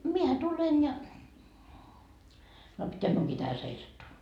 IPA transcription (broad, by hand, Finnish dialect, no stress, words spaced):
miehæ tulen jɑ no pitːeæk miuŋkiː tæhæ seisɑtːuː